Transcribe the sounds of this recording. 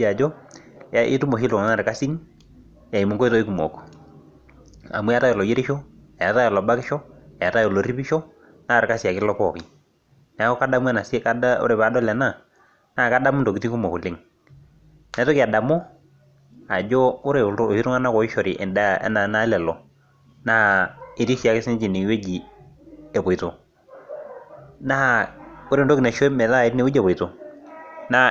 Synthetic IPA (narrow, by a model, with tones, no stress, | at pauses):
a˨d͡ʒɔ˦ja˦ʔɪ̰˦tu˦mo˨ʃi˦lʊ˨ŋa˨ŋa˦˨ɾɪ˨ka˦si˦n | ja˨i˨mu˨ŋko˦i˦tɔ˦i˦ku˨mɔ̰˨k | a̰˨mu˦a˦ta˦jɔ˨lɔ˨je˦ɾɪ˦ʃo˦ | a˨a˨ta˦jɔ˨lɔ˨ba˦kɪ˦ʃɔ˦a˨ja˨ta˦jɔ˨lo˨˦ri˦pi˦ʃɔ˦ | na˦˨ɾɪ˨ka˦si˨a˨kɪ˦lɔ˦kɔ˦˨kɪ˨ | n˨a˦kɔ˦ka˦da˦mu˦ɛ˦na˨ska˦o̰˦ɾe˨pa˨˦dɔ˦lɛ˨na˦˨ | na˦˨ka˦da˦m˦nto˨ki˦ti˦ŋku˦mɔ˨ku˨lɪ˦ŋ | nɛ˨˦tɔ˦ki˨a˨da˨mɔ˦ | a˨d͡ʒɔ˦ʊ˦ɾe˨˦˨hi˦ɾu˦ŋa˦na˦kɔ˨i˦ʃɔ˨ɾi˨ʔɛ̰˨nda˦˨ɛ̰˦na˨˦na˦lɛ˨lɔ˨ | na˦˨i˨ti˦sa˨˦kɪ˦sɪ˦n˦d͡ʒi˨ni˨˦we˦d͡ʒi˨ | ɛ˨bo˨i˨to˨ | na˦a˨ʊ˦ɾe˨ntɔ˦ki˨ne˨ʃɔ˦mɛ˨la˦˨ɪ˦tne˨u˦d͡ʒɛ˨bɔ˨i˨to˨ | na˦